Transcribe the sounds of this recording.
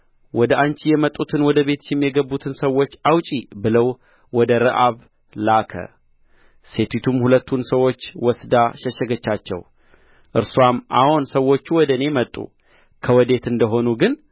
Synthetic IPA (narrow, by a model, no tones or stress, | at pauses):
wɔd̪əʔant͡ʃijɛmət̪ʼːut̪ʰɨnwɔd̪əβe̞t̪ʃɪmjɛɡəbːut̪ʰɨnsəwo̞t͡ʃːawt͡ʃʼibɨləw | wɔd̪əɾɨʔaβ | lakʰə̰ | se̞t̪ʰwit̪ʰumhulət̪ʰːunsəwːo̞t͡ʃːwɔsd̪aʃɛʃəɡət͡ʃːat͡ʃːɛ̰w | ʔɨɾsuamʔa̰honsəwːo̞t͡ʃːuwɔd̪əne̞mət̪ʼːṵ | kʰəwɔd̪e̞t̪ɨnd̪əɦo̞nuɡɨn